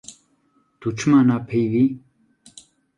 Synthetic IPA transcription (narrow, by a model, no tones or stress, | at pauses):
t̪ut͡ʃʰɨmanaːpʰejvi